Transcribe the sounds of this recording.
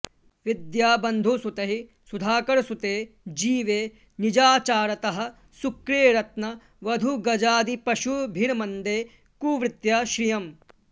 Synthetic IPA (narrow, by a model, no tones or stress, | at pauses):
ʋid̪jaːbɐnd̪ʱusut̪ɐɦi | sud̪ʱaːkɐɾsut̪eː | d͡ʒiːʋeː | nid͡ʒaːt͡ʃaːɾɐt̪ɐɦɐ̆ | sukɾeːɾɐt̪nɐ | ʋɐd̪ʱuɡɐd͡ʒaːd̪ipɐʃubʱiɾmɐnd̪eː | kuːʋɾɪt̪jɐʃɾijɐm